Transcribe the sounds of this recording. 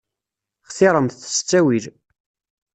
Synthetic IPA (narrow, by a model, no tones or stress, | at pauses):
χθɪɾˤəmθθə̥st͡sːæwil